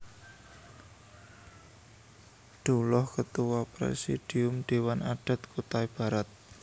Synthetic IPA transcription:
ɖ̪̥ulɔhkət̪uwapɾḛsḭd̥i̤ʊmɖ̥e̤wanaɖ̥a̤t̪̚kut̪aib̥a̤ɾat̪̚

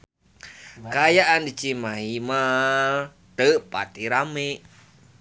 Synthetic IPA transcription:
kajaʔandit͡ʃimaɦima | d̥̪əʔpa̰t̪iɾameʔ

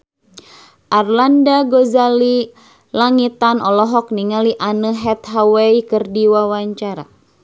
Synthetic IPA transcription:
ʔarlandaɡozali | laŋit̪anɔlɔɦɔk̚niŋaliʔanəɦɛt̪ɦawɛikərdiwawaɲt͡ʃaɾa̰

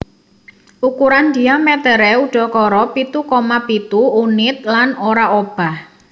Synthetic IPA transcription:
ʔukuɾand̪iamɛt̪əɾɛuɖ̥ɔ̤kɔɾɔpit̪ukomapit̪uːnɪt̪̚lanoɾaob̥a̤h

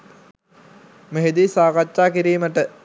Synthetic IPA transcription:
meɦed̪isaːkat͡ʃːaːkiɾiːməʈə

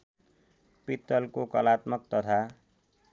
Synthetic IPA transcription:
pit̪ːʌlkokʌlat̪mʌk̚t̪ʌt̪ʰa

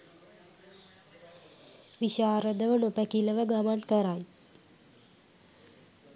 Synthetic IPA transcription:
ʋiɕaːɾəd̪əʋənopəkiləʋəɡamankəɾaj

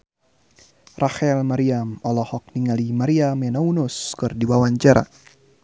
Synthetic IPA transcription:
raxɛlmaɾiamɔlɔhɔk̚niŋalimaɾiamjanaunʊskɨrdiwawaɲd͡ʒaɾa̰

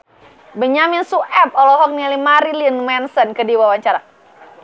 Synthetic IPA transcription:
bəɲaminsuʔɛp̚ɔlɔɦɔk̚nilimaɾilinmɛnsənkədiwawaɲt͡ʃaɾa

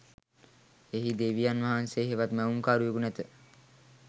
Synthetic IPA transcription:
eɦid̪eʋijanʋaɦanseːɦeʋat̪mæuŋkaːɾuekunæt̪ə

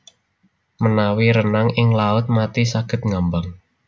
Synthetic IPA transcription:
mənawiɾənaŋɪŋlaʊt̪̚mat̪isaɡ̥ə̤t̪̚ŋambaŋ

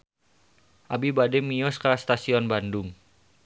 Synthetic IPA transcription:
ʔabibadɛmiɔskast̪asiɔnbandʊŋ

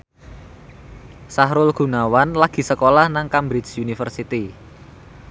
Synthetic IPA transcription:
sahɾʊlɡ̥ṳnawanlaɡ̥i̤səkolahnaŋkambɾɪsunifərsit̪i

